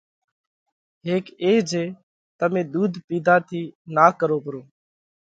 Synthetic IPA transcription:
ɦeːkeːd͡ʒeː | t̪əmẽːd̪uːd̪ʱpiːd̪ʱaːt̪ʰiːnaːkəɾoːpəɾõː

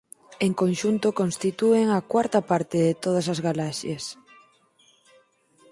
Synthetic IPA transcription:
eŋkonʃunt̪okonst̪it̪ueŋɐkwaɾt̪ɐpaɾt̪eðet̪oð̞ɐsazɣalaʃes

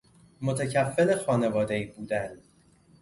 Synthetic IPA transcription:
mo̞t̪ʰæcʰæfːelexɒːne̞vɒːd̪eiːbuːd̪æn

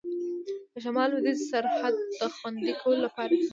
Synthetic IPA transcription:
d̪̥əʃamɑlwɪd̪izsaɾhad̪̚ːəxwand̪ikʰawəlolapɑɾa

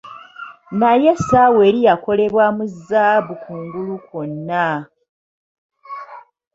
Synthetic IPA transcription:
naje̞sawe̞ːɾijako̞le̞βwamuzːaβukʰuːŋɡulukonːa

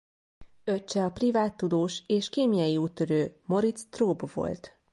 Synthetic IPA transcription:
ø̞t͡ʃːɛɒprivaːt̪ːud̪oːʃeːʃkeːmijɒjiuːt̪ːøɾøːmo̞ɾit̪st̪roːbvo̞̰lt̪

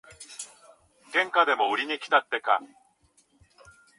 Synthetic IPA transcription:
ɡ̥ẽ̞ŋkad̪e̞mo̞ɯɾʲiɲ̟ikʲi̥t̪at̪ːe̞ka̰

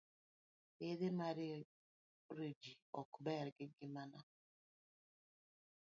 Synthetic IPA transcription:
eðemaɾɪ | ɾed͡ʒiɔkbɛɾɡɪɡɪmana

